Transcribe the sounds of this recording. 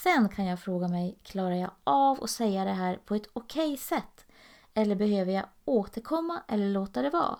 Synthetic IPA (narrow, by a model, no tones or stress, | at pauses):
sɛnkʰanjɑːɡfɾoːɡamɛjkʰlɑːɾajaɡavɔ̰sɛjːad̪ɛɦæːɾpʰɔɛt̪ʊkʰɛjsɛt̪ː | ɛlːəɾbɛhøːvəɾjaɡoːt̪ʰəɾkʰɔmːaʔɛlːəɭoːt̪ad̪ɛvɑ̰ː